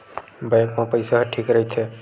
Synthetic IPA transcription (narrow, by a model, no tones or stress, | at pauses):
bajkmãpəjsaɦʈʰikɾəɦjt͡ʃʰɛ